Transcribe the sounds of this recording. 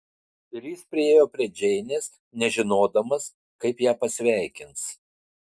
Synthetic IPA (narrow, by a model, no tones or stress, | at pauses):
ɪɾʲjɪspʲɾʲɪeːjoːpʲɾʲiɛd͡ʒʲɛɪnʲeːs | nʲɛʒʲɪnoːd̪ɐmɐs | kɐɪpjæːpɐsʲʋʲæˑɪkʲɪns